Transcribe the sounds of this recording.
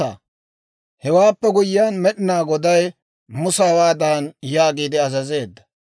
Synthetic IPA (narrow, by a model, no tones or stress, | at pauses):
a̰ | hɛwaːpːɛɡʊjːɪjanmɛɗɪnaːɡɔd̪ɐj | mʊsɐwaːd̪aːnjaːɡiːd̪ɪɐzɐze̞ːd̪ːɐ̥